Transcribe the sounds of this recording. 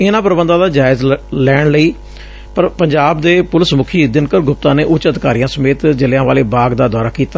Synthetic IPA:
ɪnãːpɾəbənd̪ãːd̪aːd͡ʒaːɪzlɛːɳləiː | pəɾpəɲd͡ʒaːbd̪eːpʊləsmʊkʰiːd̪ɪnkəɾɡʊp̚t̪ãːneːʔʊt͡ʃəd̪kaːɾiːjãːsəmeːt̪d͡ʒəleːãːʋaːleːbaːɡd̪aːd̪ɔːɾaːkiːt̪aː

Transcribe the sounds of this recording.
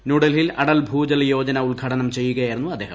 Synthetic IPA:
nuɽɐlilʔɐɽɐlbʱuːd͡ʑɐljo̞ːd͡ʑɐnɐuɭɡʱɐɽɐnɐmt͡ɕe̞jːuɣɐjajiɾunːuɐd̪ːe̞ːhɐ̰

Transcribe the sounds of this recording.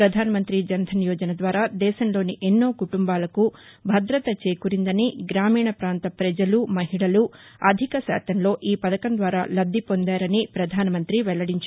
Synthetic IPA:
ɾɐd̪ʱaːnɐmɐnt̪ɾid͡ʒɐnd̪ʱɐnjɔːd͡ʒɐnɐd̪ʋaːɾaːd̪ɛːʃɐmloːniʔenːo̞ːkuʈumbaːlɐku | bʱɐd̪ɾɐt̪ɐt͡ʃeːkuɾind̪ɐniɡɾaːmiːɳɐpɾaːnt̪ɐpɾɐd͡ʒɐlumɐɦiɽɐluɐd̪ʱikɐsa̰ːt̪ɐmlo̞ːʔiːpɐd̪ɐkɐnd̪ʋaːɾaːlɐd̪ʱːipo̞nd̪aːɾɐnipɾɐd̪ʱaːnɐmɐnt̪ɾiʋɛɭːɐɽiɲt͡ʃ

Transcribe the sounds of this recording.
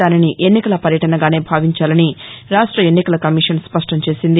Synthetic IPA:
aːniniʔe̞nːikɐlɐpɐɾjɐʈɐnɐɡaːne̞ːbʱaːʋiɲt͡ʃaːlɐniɾaːʂʈɾɐenːikɐlɐkɐmiʂɐnspɐʂʈɐmt͡ʃe̞ːsind̪i

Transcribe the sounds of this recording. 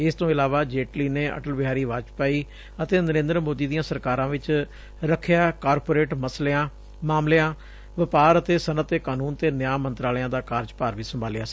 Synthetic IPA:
ɪst̪õːɪlaːʋaːd͡ʒeːʈliːneːə̰ʈəlbɪɦaːɾiːʋaːt͡ʃpaːiː | ət̪eːnəɾẽːnd̪ɾəmoːd̪iːd̪ijãːsəɾkaːɾãːʋɪt͡ʃ | ɾəkʰjaːkaːɾpoːɾeːʈməsleːãː | maːmleãː | ʋɪpaːɾət̪eːsənət̪ːeːkaːnuːnt̪eːnɪjaːmənt̪ɾaːljãːd̪aːkaːɾd͡ʒpaːɾʋiːsəmbʱaːljaːs

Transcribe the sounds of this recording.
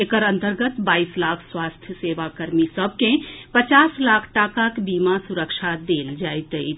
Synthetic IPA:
ekəɾə̃nt̪əɾɡət̪baːislaːkʰswaːst̪ʰjəseːʋakəɾmisəb̚ʱkẽpət͡ʃaːslaːkʰʈaːkakbiːmasuɾəkʃad̪eːld͡ʒaːet̪əi

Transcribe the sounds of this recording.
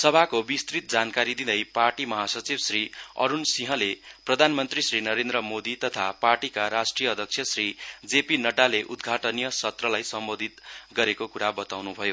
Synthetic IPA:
sʌbʱakobist̪rit̪̚d͡zankaɾid̪id̪ʌjparʈimʌɦasʌt͡sibsriʌ̰ɾunsiɦʌ̃leprʌd̪ʱanmʌnt̪risrinʌɾend̪rʌmod̪it̪ʌt̪ʰaparʈikaɾasʈrijʌːd̪ʱʌkt͡sʰjʌsrid͡zepinʌʈaleʔud̪ɡʱaʈʌnijʌsʌt̪rʌlajsʌmbod̪ʱit̪ɡʌɾekokuɾabʌt̪awnubʱʌjo

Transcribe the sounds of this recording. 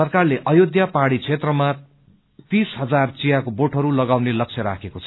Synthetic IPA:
ʌrkarleʔʌjod̪japaɽit͡sʰet̪rʌma | t̪isɦʌd͡zart͡sijakoboʈʰɦʌɾulʌɡawnelʌk̚t͡sʰjʌɾa̰kʰekot͡sʰʌ

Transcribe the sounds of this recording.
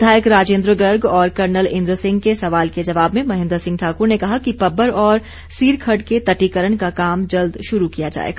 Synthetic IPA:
d̪ʱaːjəkɾaːd͡ʒẽːnd̪ɾəɡəɾɡɔːɾkɐɾnəlɪ̃nd̪ɾəsɪ̃ŋɡkesɐʋaːlked͡ʒɐʋaːbmẽmɐɦɪ̃nd̪ɾsɪ̃ŋɡ̚ʈʰaːkʊɾnekɐɦakipɐbːəɾɔːɾ | siːɾkʰəɖket̪ɐʈikəɾəɳ̃kakaːmd͡ʒɐld̪ʃʊɾukijad͡ʒa̰ːḛɡa

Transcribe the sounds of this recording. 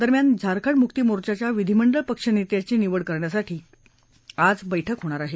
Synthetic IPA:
d̪əɾmjand͡zʱaɾkʰəɳmukt̪imoɾt͡ɕat͡ɕjaʋid̪ʱiməɳɖəɭpəkʂənit̪jat͡ɕiːniʋəɽkəɾɳjasaʈʰiː | ad͡zbəjʈʰəkɦoɽ̃aɾaɦe

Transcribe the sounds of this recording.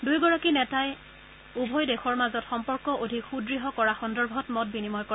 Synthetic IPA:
dujɡɔɹakinɛtaj | ubʱɔjdexɔɹmazɔtxɔmpɔɹkɔʔodʱikxudɹiɦɔkɔɹaxɔndɔɹbʱɔtmɔt̚binimɔjkɔ

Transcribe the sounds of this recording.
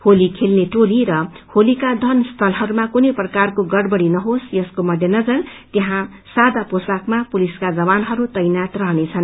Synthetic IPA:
holikʰelneʈoliɾʌ | holikad̪ʱʌnst̪ʰʌlɦʌɾumakunʌjprʌkarkoɡʌɽbʌɽinʌɦosjʌskomʌd̪ʱjʌnʌd͡zʌrt̪eɦã | sad̪aposakmapuliskad͡zʌbanɦʌɾut̪ʌjnat̪rʌɦnet͡sʰʌn

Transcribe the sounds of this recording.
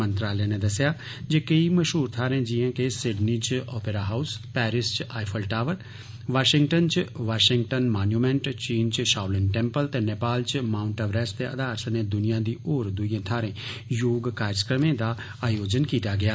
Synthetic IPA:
ə̃nt̪ɾaːljeːneːd̪əsɪjaː | d͡ʒeːkəiməʃɦuːɾt̪ʰaːɾẽːd͡ʒɪãːkesɪɖniːt͡ʃɔːpeːɾaːɦaːʊspɛːɾɪst͡ʃaːipʰəlʈaːʋəɾ | ʋaːʃɪŋɡʈənt͡ʃʋaːʃɪ̃ŋɡʈənmaːnjuːmɛ̃ɳʈt͡ʃiːnt͡ʃʃaːwləɳʈɛ̃ːmpəlt̪eːneːpaːlt͡ʃmaːʊɳʈəʋɾɛːst̪eə̰d̪aːɾsneːd̪ʊnijãːd̪iːʔoːɾd̪ʊijãːt̪ʰaːɾẽːjoːɡkaːɾəkɾəmẽːd̪aː | aːjoːd͡ʒənkiːt̪aːɡɪaː

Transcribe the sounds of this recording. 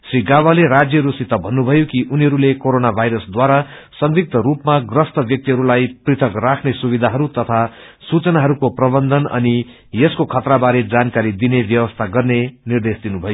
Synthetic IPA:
sriɡawaleɾad͡zjʌɾusit̪ːʌbʱʌnːubʱʌjokiʔuniɦʌɾulekoɾonabʱajɾʌsd̪waɾa | sʌŋɡik̚t̪ʌɾupmaɡrʌst̪ʌbjʌk̚t̪iɦʌɾulajprit̪ʰʌkrakʰnesubid̪ʱaɦʌɾut̪ʌt̪ʰa | sut͡sʌnaɦʌɾukoprʌbʌnd̪ʱʌnʌ̰ni | jeskokʰʌt̪rabaɾed͡zankaɾid̪inebjʌwʌst̪ʰaɡʌrnenird̪esd̪inubʱʌjo

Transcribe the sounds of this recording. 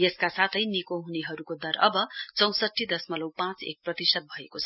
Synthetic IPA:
jeskasat̪ʰʌjnikoɦuneɦʌɾukod̪ʌɾʌbʌt͡sʌw̃sʌʈʰːid̪ʌsmʌlʌwpãt͡sḛk̚prʌt̪isʌd̪̚bʱʌekot͡sʰʌ

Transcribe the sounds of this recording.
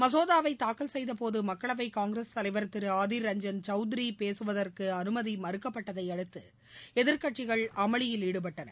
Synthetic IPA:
mɐs̬oːðaːʋɐɪt̪aːkːɐlsɛjðɐpoːðɯmɐkːɐɭɐʋɐɪkaːŋɡɾɐst̪ɐlɐɪʋɐɾt̪ːɪɾɯaːðiɾɐɲd͡ʒɐnt͡ʃɐʊd̪ɪɾipeːsɯʋɐðɐrkɯɐnɯmɐðimɐɾɯkːɐpːɐʈːɐðɐɪɐɽɯt̪ːɯ | ɛðɪɾkɐʈt͡ʃɪɣɐɭɐmɐɭɪjɪliːɽɯp̬ɐʈːɐnɐ̰ɾ

